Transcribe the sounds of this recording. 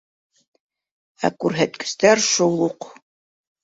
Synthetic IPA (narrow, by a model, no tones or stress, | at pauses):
æ̰kʉɾɦæt̪kɘ̥̆st̪æɾʃulˠuq